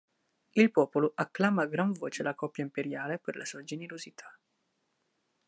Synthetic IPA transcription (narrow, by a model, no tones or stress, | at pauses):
ilpɔːpoloʔakːlaːmaːɡɾaɱvoːt͡ʃelakɔpːjaimpeɾjaːleperlʔasuːad͡ʒeneɾozit̪ʰḁ